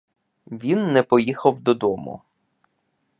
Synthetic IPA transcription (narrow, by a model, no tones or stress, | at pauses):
ʋʲinːɛpɔjixɐwd̪ɔd̪ɔmṵ